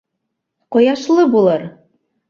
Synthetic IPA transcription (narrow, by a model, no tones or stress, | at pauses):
qŏjɑʃlˠɤbulˠɤɾ